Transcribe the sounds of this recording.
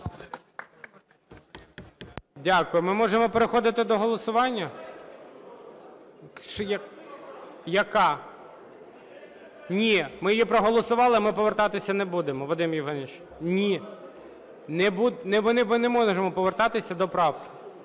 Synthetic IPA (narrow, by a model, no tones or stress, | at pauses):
dʲakʊjʊmɪmɔʒemɔpeɾexɔd̪ɪt̪ɪd̪ɔɦɔlˠɔsʊʋɑnʲːɐ | ʃjɐ | jɐkɑ | nʲimɪjjipɾɔɦɔlˠɔsʊʋɑlˠɪmɪpɔʋert̪ɑt̪ɪsʲɐnebud̪emɔʋɔd̪ɪmiwɦɑnɪt͡ʃ | nʲi | nɛbud̪nnmɪnɛmɔʒemɔpɔʋert̪ɑt̪ɪsʲɐd̪ɔpɾɑwkɪ̥